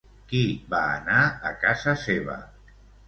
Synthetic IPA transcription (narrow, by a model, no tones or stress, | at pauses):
kiba̰ːnaə̰kazəseβə̰